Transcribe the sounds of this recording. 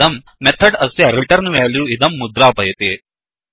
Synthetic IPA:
ɐmː | ɛt̪ʰɐɖɐsjɐɾiʈɐɾnʋaːljuːid̪ɐmːud̪ɾaːpɐjɐt̪eː

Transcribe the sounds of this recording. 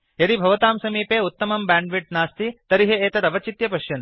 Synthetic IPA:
jɐɾibʱɐʋɐt̪aːmsɐmiːpeːut̪ːɐmɐmbaːɳɖʋiʈ̚naːst̪it̪ɐɾiɦeeːt̪ɐɾɐʋɐt͡ʃit̪jɐpɐʃjɐn

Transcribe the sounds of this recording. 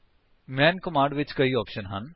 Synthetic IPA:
mɛ̃ːnkɔmãːɳɖʋɪt͡ʃkɐiɔːpʃənɦɐ̰n

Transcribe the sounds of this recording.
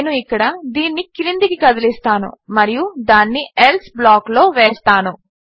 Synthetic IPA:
nuikːɐɽɐd̪iːnːikilind̪ikikɐd̪ɐlist̪aːnṵmɐɾijud̪aːnːielsblaːklo̞ːʋeːst̪aːnu

